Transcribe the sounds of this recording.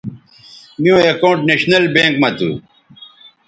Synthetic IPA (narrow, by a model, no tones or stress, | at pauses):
mijõːekoːɳʈneɕnɐlbẽːŋkmɐt̪ṵ